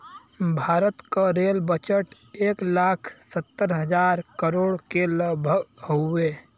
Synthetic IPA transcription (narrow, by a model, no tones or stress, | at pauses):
bʱaːɾət̪kaɾelbət͡ʃəʈ | eːklaːkʰsət̪ːəɾɦəd͡ʒaːɾkəɾoːɽkeləbʱəɡhoe